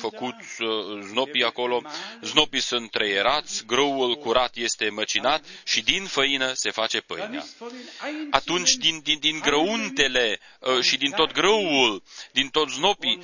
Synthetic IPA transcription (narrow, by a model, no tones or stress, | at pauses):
fəkut̪ʲəzno̞piako̞lo̞zno̞pisunt̪ːɾejeɾat̪sʲɡɾəwulkuɾat̪je̞st̪e̞mət͡ʃinat̪ʃid̪infəinəse̞fat͡ʃe̞pɨ̰jnea̰ | at̪unt͡ʃʲd̪ind̪id̪iŋɡɾəunt̪e̞le̞ | ʃid̪int̪o̞t̪̚ɡɾəwuld̪int̪o̞t̪zno̞pi